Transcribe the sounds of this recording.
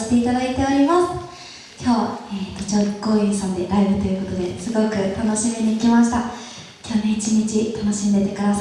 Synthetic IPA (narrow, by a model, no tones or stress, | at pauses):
i̥t̪e̞it̪ad̪ait̪e̞o̞ɾʲimasɨ̥ | kʲʰo̞ːet̪ot͡ɕoɡo̞ːisãnd̪e̞ɾaibɯ̟t̪o̞jɯ̟ko̞t̪o̞d̪e̞sɨɡo̞kɯ̟t̪ano̞ɕimeɲiikʲimaɕi̥t̪a | kʲʰo̞ːneit͡ɕiɲ̟it͡ɕit̪ano̞ɕĩnd̪e̞t̪e̞kaɾa